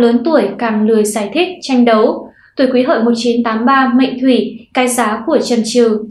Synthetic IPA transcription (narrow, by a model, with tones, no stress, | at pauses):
ləː˨˦nt̪u˧˩əjkaː˨˩ŋlɨ˨˩əjzaː˧˩jt̪ʰï˦˥k̚t͡ɕa˧jŋ̟ɗə˨˦w | t̪u˧˩kwi˨˦ɦə̰ː˧˨jmo˨˩t̚t͡ɕi˨˦nt̪aː˨˦mɓaː˧mə̰˧˨ŋ̟t̪ʰwi˧˩kaː˨˧˦jzaː˨˦ku˧˩ət͡ɕə˨˩nt͡ɕɨ˨˩˨